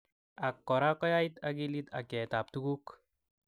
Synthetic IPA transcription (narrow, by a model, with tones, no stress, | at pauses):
a˨kːɔ˨ɾa˦kɔ˦ja˦i˦t̪a˦ɡi˦li˦t̪a̰˨kɛ˨t̪a˨p̚t̪u˦ɡu˦k